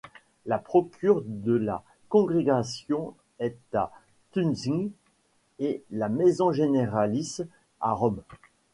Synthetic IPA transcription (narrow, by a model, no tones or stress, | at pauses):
lapχɔkʲʰyʁd̪əla̰ | kɔ̃ɡʁeɡasjɔ̃ | ɛt̪a | t̪ynziŋ | elamezɔ̃ʒeneʁalis | a̰ʁɔm